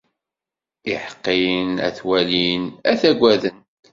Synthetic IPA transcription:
ɪħqːinæ̰θwælinæθæɡʷæðən

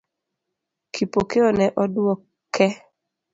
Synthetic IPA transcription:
kʰipokeɔnɛʔɔdwɔ | kʰɛ

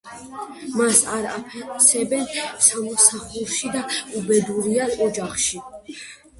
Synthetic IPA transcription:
masaɾapʰɛsɛbɛnsamɔsaχulˠʃid̪aubɛd̪uɾiaɔd͡ʒaχʃi

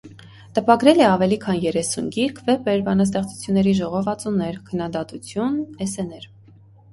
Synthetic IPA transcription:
t̪əpɑɡɾɛlɛɑvɛlikʰɑnjɛɾɛsunɡiɾkʰvɛpɛɾbɑnɑs̬t̪ɛχt͡su̥t͡sʰjunːɛɾiʒɔʁɔvɑt͡sunːɛɾkʰənːɑd̪ɑt̪ut͡sʰjunɛsɛnɛɾ

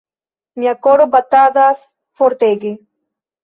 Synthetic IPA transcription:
mjakoɾobat̪aðas | foɾt̪eɡe

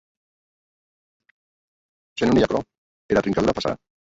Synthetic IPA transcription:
t͡ʃenunijakɾɔ | eɾat̪ɾiŋkaðuɾapasa̰a̰

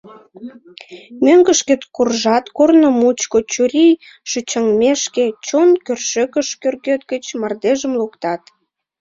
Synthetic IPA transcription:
møŋɡəʃket̪kurʒɑt̪kornomut͡ɕkot͡ɕuɾij | ʃut͡ɕəŋmeʃket͡ɕonkørʃøkəʃkørɣøt̪ɡət͡ɕmɑrd̪eʒəmlukt̪ɑt̪

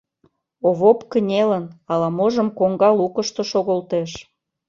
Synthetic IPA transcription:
oβopkənʲelənɑlɑmoʒəmkoŋɡɑlukəʃt̪oʃoɣolt̪eʃ

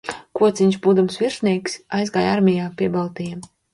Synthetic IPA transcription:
kuɔt̪sʲiɲʲʃbuːd̪umsvʲiɾsʲnʲiɛksajzɡaːjaɾmʲijaːpʲiɛbalˠt̪ija

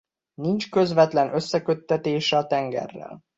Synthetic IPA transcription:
nint͡ʃkøzʋɛt̪lɛnʔø̞sːɛkø̞t̪ːɛt̪eːʃɛɒt̪ɛŋɡɛ̰rːɛ̰l

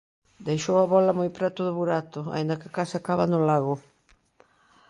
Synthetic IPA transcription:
d̪ejʃowaβɔlɐmojpɾɛt̪ʊðʊβuɾat̪ʊa̰ĩnd̪ɐkakasakaβanʊlaɣʊ

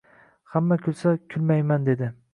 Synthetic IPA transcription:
hamːakʲʰʊlˠsakʲʰʊlmajmand̪e̞d̪ɪ

